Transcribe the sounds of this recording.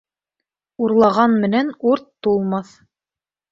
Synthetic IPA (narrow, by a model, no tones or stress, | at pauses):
uɾlˠɑʁɑnmɘ̆nænuɾt̪ːulˠmɑθ